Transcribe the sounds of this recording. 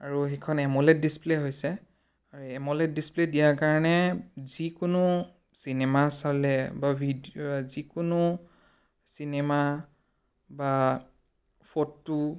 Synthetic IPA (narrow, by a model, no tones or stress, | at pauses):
aɹuxɛkʰɔnɛmɔlɛt̚displeɦojsɛ | aɹuɛmɔlɛt̚displedijakaɹɔnɛzikʊnʊ | sinɛmasalɛbabʱidiozikʊnʊ | sinɛma | ba | pʰɔtːu